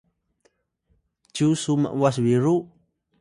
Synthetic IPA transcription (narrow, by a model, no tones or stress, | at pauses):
d͡ʒusuma̰ʔwas̬wiɾuʔ